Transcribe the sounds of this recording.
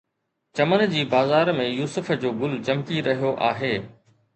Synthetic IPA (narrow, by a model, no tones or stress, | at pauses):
t͡ɕɐmən̆d͡ʑiːbaːzaːɾmẽjuːsʊf̆d͡ʑoːɡʊlt͡ɕɐmkiɾɐɦijoʔa̰ːɦeː